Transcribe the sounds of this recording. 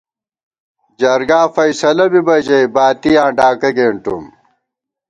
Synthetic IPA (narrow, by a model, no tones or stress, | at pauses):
d͡ʑɐɾɡaːfɐjsɐlɐbibɐd͡ʑɐjbaːt̪ijãːɖaːkɐɡeːɳʈṵm